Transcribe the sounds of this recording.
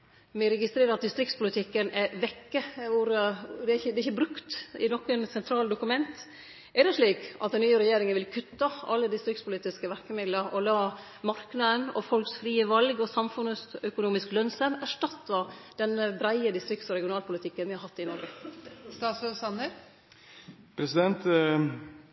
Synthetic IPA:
mɛɾɛɡɪst̪ɾeːɾəɾɑt̪̚d̪ɪst̪ɾɪkt̪spʊlɪt̪ʰɪkːənɛʋɛkːəʋʊɾd̪ɛæɾɪçəd̪ɛɾɪçəbɾʉkt̪ɪnɔkːənsɛnt̪ʰɾɑːld̪ʊkʉmɛnt̪ | ʔɛdɛʂɭiːkʔɑt̪̚d̪ɛnnyːəɾɛjeːɾɪŋənʋɪlkʰʉt̪ːɑɑ̰lːəd̪ɪst̪ɾɪkt̪spʰʊliːt̪ɪskəʋæɾkəmɪd̪ləɾʔɔlɑː | mɑɾknɑd̪ənɔ̰fɔlksfɾiːəʋɑlɡɔsɑmfʉnəsœkʊnuːmɪsklœnsəmæʂʈɑt̪ːɑd̪̥ɛnəbɾæɪəd̪ɪst̪ɾɪkt̪sɔɾɛɡɪʊnɑːlpʰʊlɪt̪ʰɪkːənʋɪhɑɾhɑt̪ːɪnɔɾɡəst̪ɑːsøsɑnːəɾ | pʰɾɛsɪd̪ɛnt̪

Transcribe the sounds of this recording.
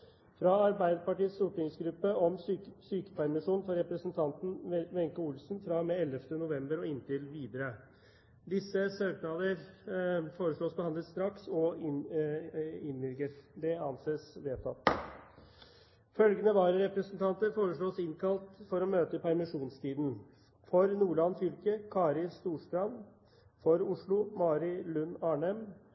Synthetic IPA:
fɾɑɑɾbæɪd̪əpɑʈiːəst̪uːʈɪŋsɡɾʉpːəɔmssyːkə̥pæɾmɪʂuːnfɔɾɛpɾəsənt̪ʰɑnt̪n̩ʋɛŋkəuːlsnfɾɑmɛɛləft̪ənʊʋɛmbəɾɔɪnt̪ɪlʋiːd̪əɾə | d̪ɪsːəsøːk̪ɑːləɾ | foːɾəʂɭoːsbəhɑnd̪lət̪st̪ɾɑksɔ | ɪnʋɪlɡəɾd̪ɛɑnseːsʋeːt̪ʰɑt̪ | fœlɡənəʋɑːɾəɾɛpɾəsənt̪ʰɑnt̪əɾfoːɾəʂɭoːsɪnkʰɑlt̪fɔɾɔmøːt̪əpʰæɾmɪʂuːnst̪ʰiːd̪n̩ | fɔɾnuːɭɑnfʏlkəkʰɑːɾɪst̪uːʂt̪ɾɑn | fɔɾʊʂɭʊmɑːɾɪlʉnːɑːɳɛm

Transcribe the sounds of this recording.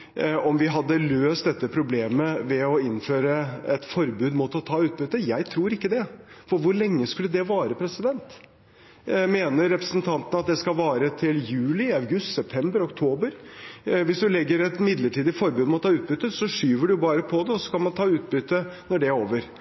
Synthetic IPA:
ɔmʋɪɦɑd̪ːəløːst̪̚d̪ɛt̪ːəpʰɾʊbleːməʋɛɔɪnføːɾəɛt̪fɔɾbʉːd̪mʊt̪ɔt̪ʰɑːʉːt̪̚bʏt̪ːəjæɪt̪ʰɾuːɾɪkːəd̪ɛfɔɾʋʊɾɭɛŋːəskʉlːəd̪ɛʋɑːɾəpʰɾɛsɪd̪ɛnt̪ | meːnəɾːɛpɾəsn̩t̪ʰɑnt̪ənəɑt̪̚d̪ɛskɑlʋɑːɾət̪ʰɪljʉːlɪɑʋɡʉst̪sɛp̚t̪ʰɛmbəɾɔkt̪ʰoːbəɾʋɪsd̪ʉlɛɡːəɾɛt̪mɪd̪ləʈʰiːd̪ɪfɔɾbʉːd̪mɛɔt̪ʰɑːʉːt̪̚bʏt̪ːəsɔʂyːʋəɖʉbɑːɾəpʰɔd̪ɛɔsɔ̥kɑlmɑnt̪ʰɑːʉːt̪̚bʏt̪ːənɔɖɛɾoːʋəɾ

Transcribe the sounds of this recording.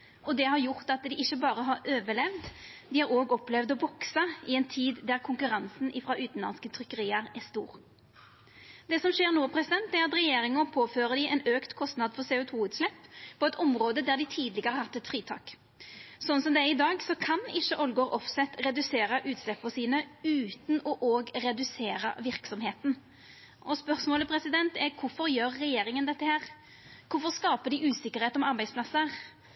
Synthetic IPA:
ʔɔd̪ɛhɑɾjʊʁt̪ɑt̪d̪ɪʔɪçːəbɑːɾəɦɑɾøːʋəlɛʋd̪d̪ɪhæɾoːɡɔplɛʋd̪ɔbɔksəɪɛnt̪ʰiːd̪ːæɾkʰʊŋkʉɾɑnsn̩ʔɪfʁɑʔʉːt̪n̩lɑ̰nskət̪ʰʁʏkːəʁiːəɾæst̪ṵːʁ | d̪ɛsɔmʃeːʁnuːpʰɾɛsɪd̪ɛnt̪̚d̪ɛæʁɑt̪ɾɛjeːɾɪŋɔpʰoːføːʁəd̪ɪʔɛnøːkt̪kʰɔst̪nɑd̪fɔʁseːʊt̪ʰuːʉːt̪slɛpʰːɔɛt̪ɔmʁoːd̪əd̪æʁd̪ɪt̪ʰiːd̪lɪɡəʁəhɑt̪ːɛt̪fɾiːt̪ʰɑ̰ːk | sɔnːsɔmd̪ɛæɾɪd̪ɑːɡsɔkʰɑnɪçːəʔɔlɡoːɾʔɔfsɛt̪ɾɛd̪ʉseːɾəʔʉːt̪slɛpːɔsiːnəʉːt̪nɔʔoːɡɾɛd̪ʉseːɾəʋɪɾksɔmheːt̪n̩ | ʔɔspœʁsmoːləpʰɾɛsɪd̪ɛnt̪ɛɾkʰʊfɔɾjøːɾːɛjeːɾɪŋənd̪ɛt̪ːəhæːɾ | kʰʊfɔʁskɑːpəd̪ɪʔʉːsɪkːəɾheːt̪ɔmɑɾbæɪspʰlɑsːəɾ

